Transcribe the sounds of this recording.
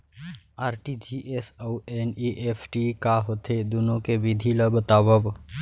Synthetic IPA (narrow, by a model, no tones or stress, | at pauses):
aːɾʈid͡ʒiʔesoweniʔeːpʰʈikaɦot̪ʰed̪unõkebɪd̪ʱiləbʱt̪aːbəb